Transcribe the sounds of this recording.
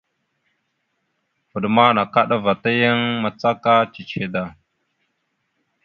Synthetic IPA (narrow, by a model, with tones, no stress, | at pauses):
fə˨ɗma˦na˨ka˦ɗa˦va˨ta˦jə˦ŋma˨t͡sa˦ka˦t͡ʃi˨t͡ʃe˨da˨